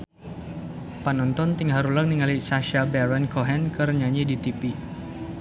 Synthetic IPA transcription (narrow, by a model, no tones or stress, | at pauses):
panɔnt̪ɔnt̪iŋɦaɾulak̚niŋalisaʃabɛɾɛnkʰɔɦɛnkərɲaɲidit̪ipi